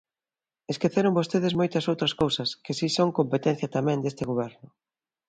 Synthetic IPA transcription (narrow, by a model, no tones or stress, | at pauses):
eskeθeɾʊmbost̪eðɪzmojt̪ɐsowt̪ɾɐskowsɐskɪsisoŋkompet̪ɛ̃n̟θjɐt̪amɛ̃nd̪est̪ɪɣoβɛɾnʊ